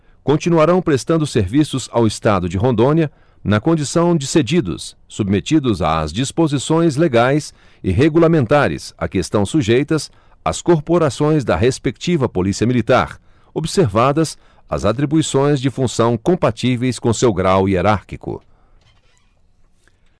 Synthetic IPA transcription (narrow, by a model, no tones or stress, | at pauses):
kõt͡ʃinuaɾɐ̃w̃pɾest̪ɐ̃nd̪ʊseɾvisʊzawɪst̪ad̪ʊd͡ʒɪɦõnd̪õniɐ | nɐkõnd͡ʒisɐ̃w̃d͡ʒɪsed͡ʒid̪ʊ̰sː | ubmet͡ʃid̪ʊza̰zd͡ʒispozisõj̃zleɡajs | ɪɦeɡulamẽnt̪aɾɪ̰sa̰kɪest̪ɐ̃w̃suʒejt̪ɐs | ɐskoɾpoɾasõj̃zd̪ɐɦespek̚t͡ʃivɐpolisiɐmilit̪a̰ɾ | obseɾvad̪ɐs | ɐ̰zat̪̬ɾibuisõj̃zd͡ʒɪfũsɐ̃w̃kõmpat͡ʃivejskõsewɡɾawieɾaɾkikʊ̰